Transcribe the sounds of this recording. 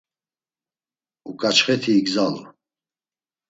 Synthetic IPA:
ukʼat͡ʃχɛt̪ʰiːɡzalṵ

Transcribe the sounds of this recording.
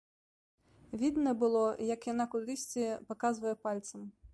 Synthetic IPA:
vʲid̪nɐbɨlˠɔjɐkjanakʊɾɨsʲt͡sʲipɐkazvɐjɛpalʲt̪sɐm

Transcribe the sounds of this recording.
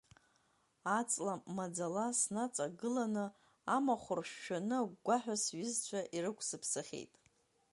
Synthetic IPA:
at͡sʼlamad͡zalasnat͡sʼaɡɨlanɨ | amaχʷʊrʃᶣːanɨaɡʷaħᶣasɥɪzt͡ɕʷʰaʔirɨkʷʰsɨpʰsɨχʲḛjtʼ

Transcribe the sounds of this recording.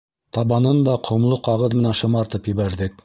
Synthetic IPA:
t̪ɑβɑnɤnd̪ɑqʰŏmlˠɤqɑʁɤðmɘ̆nænʃɤ̆mɑɾt̪ɤpjɘ̆βæɾðɘk̚

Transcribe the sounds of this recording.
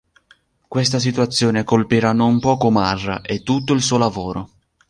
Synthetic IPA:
kwest̪as̬it̪uat̪sːjoːnekolpiːɾanompɔːkomarːa̰ʔet̪ːut̪̬ːoils̬uːolavoːɾo

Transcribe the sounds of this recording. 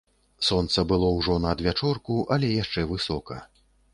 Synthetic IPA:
sɔnt̪sɐbɨlˠɔwʐɔnɐd̪vʲat͡ʂɔrkuʔɐlʲɛjaʂt͡ʂɛvɨsɔkɐ

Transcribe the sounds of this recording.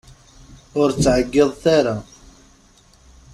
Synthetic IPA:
ʊɾt͡sːʕəɡːɪðˤθaɾa

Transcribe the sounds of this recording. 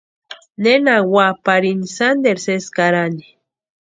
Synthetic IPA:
nenawapaɾinsand̪eɾseskaɾani

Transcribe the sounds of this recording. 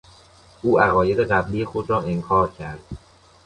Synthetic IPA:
ʔuːæɣɒːje̞d̪eɢæbliːexod̪ɾɒːeŋkʰɒːɾcʰæɾd̪̥

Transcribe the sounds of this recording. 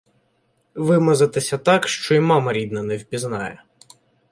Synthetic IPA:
ʋɪmɐzɐt̪ɪsʲɐt̪ɑkʃt͡ʃɔimɑmɐɾʲid̪nɐnɛwʲbʲiznɑjɛ

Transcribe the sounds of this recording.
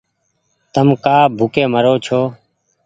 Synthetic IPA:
t̪əmkaːbʱʊkeːməɾoːt͡ʃʰoː

